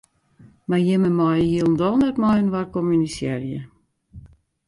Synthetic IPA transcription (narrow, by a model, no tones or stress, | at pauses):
marjɪməmɔjhiəlˠndɔlˠnətmɔjənʋarkɔmynisjɛrjə